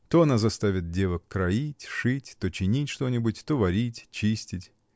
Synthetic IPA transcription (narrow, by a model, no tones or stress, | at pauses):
t̪oɐnazɐst̪avʲɪt̪̚dʲevəkːɾɐitʲʂɨtʲt̪ot͡ɕɪnʲitʲʂt̪o̞nʲɪbʊtʲt̪ovɐɾʲitʲt͡ɕisʲtʲɪtʲ